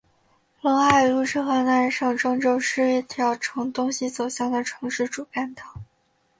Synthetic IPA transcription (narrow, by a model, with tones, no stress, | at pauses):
lɤ˧˥ŋxa˥˩ɪlu˥˧ʂɻ̩˥xɤ˧˥na˥˧ʂɑ˥˧ŋʈ͡ʂɤ˥˧ŋt͡ɕjo˥˧ʊʂɻ̩˥˧i˥˩t̪ʰjɑ˧˥ʊʈ͡ʂʰɤ˧˥ŋt̪ʊ˥ŋɕi˧˨t͡so˨˩ʊɕjɑ˥˩ŋd̪ə˩ʈ͡ʂʰɤ˧˥ŋʂɻ̩˥˩ʈ͡ʂu˨˩ka˥˩nt̪ɑ˨˩˦ʊ